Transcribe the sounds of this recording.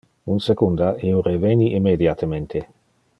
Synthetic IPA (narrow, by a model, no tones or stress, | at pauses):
unsekund̪aioɾeveniʔimːed̪jat̪ement̪ʰe